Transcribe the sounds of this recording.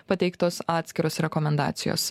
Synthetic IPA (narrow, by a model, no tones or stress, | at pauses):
pɐt̪ʲɛɪkt̪oːsɑːt̪ʲsʲkʲɪɾoːsɾʲɛkɔmʲɛnd̪ɑ̰ːt̪sʲɪjo̰ːs